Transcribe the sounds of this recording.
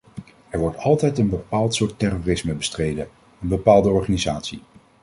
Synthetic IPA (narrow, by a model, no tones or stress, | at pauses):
ɛɹʋɔɹtʰɑlˠtɛjtənbəpaːlˠtsʊːɹtɛrorɪsməbəstrejdən | ənbəpaːlˠdəɔɹχaːnizaːtsi